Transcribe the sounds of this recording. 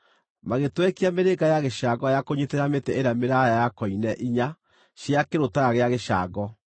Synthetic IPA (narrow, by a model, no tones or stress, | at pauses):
maɣetwɛkeameɾeɡajaɣeʃaːɡɔjakoɲeteɾametɛeɾameɾajajakɔinɛʔiɲa | ɕjakeɾotaɣaɣeaɣeʃa̰ːɡɔ